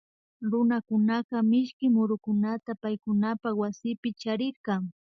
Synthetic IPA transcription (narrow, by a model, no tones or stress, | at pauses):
ɾʊnakʊnaqɑmɪʃkɪmʊɾʊkʊnat̪apajkʊnapawasɪpɪt͡ʃaɾɪɾkɑŋ